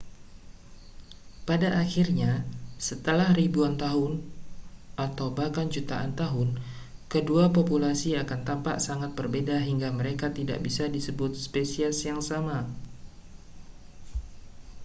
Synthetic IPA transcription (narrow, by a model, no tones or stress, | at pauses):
padaʔːxirɲasət̪əlahɾibuant̪aɦʊn | ʔat̪awbakand͡ʒut̪aʔa̰nt̪aɦʊn | kəduapopulasiakant̪ampa̰ʔsaŋat̪̚bərbedaɦiŋɡaməɾekat̪ida̰ʔbisadisəbʊt̪̚spesiasjaŋsama